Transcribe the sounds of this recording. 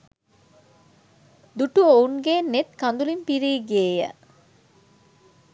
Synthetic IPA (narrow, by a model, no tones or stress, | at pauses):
d̪uʈuouŋɡeːnːet̪kand̪ulimpiɾiːɡeːjə̰